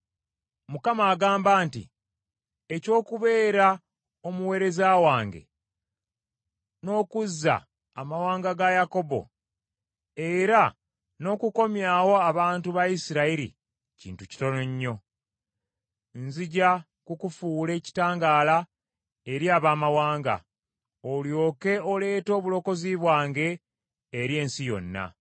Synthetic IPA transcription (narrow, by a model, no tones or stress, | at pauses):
mukamaːɡaːmbaːntḭ | eco̞ːkuβe̞ːɾa | o̞muwe̞ːɾe̞zaːwaːŋɡe̞̰ | no̞ːkuzːa̰ː | mawaːŋɡaɡajako̞bo̞̰ | eɾa | no̞ːkuko̞mjaːwo̞aβaːntuβajisiɾaiɾḭ | cḭːntuci̥to̞noɲːo̞ | nziɟa | kukufule̞ːci̥taːŋɡaːla | eɾiaːβaːmawaːŋɡa̰ | oljo̞ːke̞ole̞ːto̞ːβulo̞ko̞ziβwaːŋɡe̞ː | ɾje̞ːnsijo̞̰nːa̰